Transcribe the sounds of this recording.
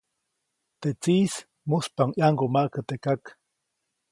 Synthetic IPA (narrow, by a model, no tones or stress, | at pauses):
t̪eʔt͡siːs | muspaŋjaŋɡomaʔkət̪ekak